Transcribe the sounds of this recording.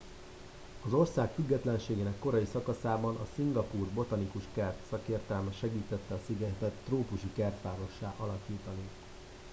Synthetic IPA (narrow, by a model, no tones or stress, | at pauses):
ɒzo̞rsaːkfyɡːɛt̪lɛnʃeːɡeːnɛkːo̞ɾɒjisɒkɒsaːbɒnʔɒsiŋɡɒpuːrbo̞t̪ɒnikuʃkɛrt̪sɒkeːrt̪ɛlmɛʃɛɡiːt̪ɛt̪ːɛɒsiɡɛt̪ɛt̪ːroːpuʃikɛrt̪ʋaːɾo̞ʃːaːʔɒlɒkiːt̪ɒni